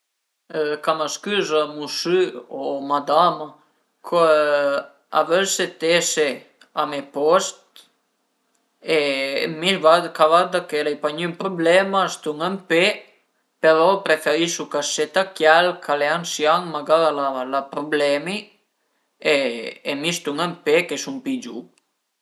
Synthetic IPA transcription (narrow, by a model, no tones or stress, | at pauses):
kamaskyzamusyomad̪ama | kʰo | a̰vølset̪ese | amepɔst̪̚ | emilvakavad̪akelɛjpaɲympɾoblɛmast̪uŋəmpe | peɾɔpɾefeɾisukaset̪akjalkʰaleansjaŋmaɡaðalalapɾublɛmi | eemist̪uŋəmpekesumpid͡ʒṵ